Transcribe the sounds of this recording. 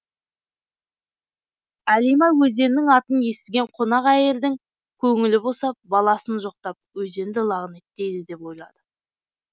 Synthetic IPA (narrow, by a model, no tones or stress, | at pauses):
ælijmɑjwɵze̞nːɪŋɑt̪ənje̞st̪ɪɡʲe̞ɴqʰonɑqæje̞ɾd̪ɪŋ | kʲʰɵŋɪlɪbo̞sɑp̚bɑlˠɑsənʒo̞q̚t̪ɑp̚wɵze̞nd̪ɪlˠɑʁənet̪ːe̞jd̪ɪd̪e̞po̞jlˠɑ̰d̪̥ə